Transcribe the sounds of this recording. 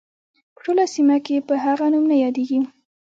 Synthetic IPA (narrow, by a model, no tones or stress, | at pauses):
pə̥ʈolasimakepəɦaɣanumnajɑd̪eɡi